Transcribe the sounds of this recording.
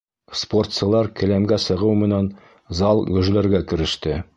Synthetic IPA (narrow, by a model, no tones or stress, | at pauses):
spo̞rt̪sɤ̆lˠɑɾkɘ̆læmɡæsɤ̆ʁɤwmɘ̆næn | zɑlˠɡɵ̆ʒlæɾɡækɘ̆ɾɘ̆ʃt̪ɘ